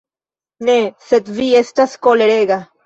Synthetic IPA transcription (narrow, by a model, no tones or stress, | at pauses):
neset̪viest̪askoleɾeɡa